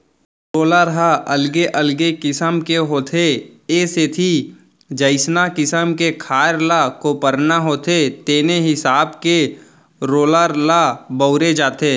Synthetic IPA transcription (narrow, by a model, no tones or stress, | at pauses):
ɾoːləɾɦaʔəlɡeʔəlɡekɪsəmkeɦoːt̪ʰeeset̪ʰi | d͡ʒəɪsnakɪsəmkekʰaːɾlakopəɾnaɦoːt̪ʰet̪eːneɦɪsaːbke | ɾoːləɾlabəʊɾed͡ʒaːt̪eː